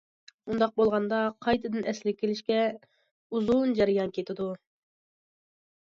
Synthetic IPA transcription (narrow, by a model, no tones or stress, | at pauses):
und̪ɑq̚bolˠʁɑnd̪ɑqʰɑjt̪ʰɨd̪ɨnʔɛslɪkʲʰelɪʃkʲɛ | uzund͡ʒɛɾɪjɑnkʲʰet̪ʰɪd̪u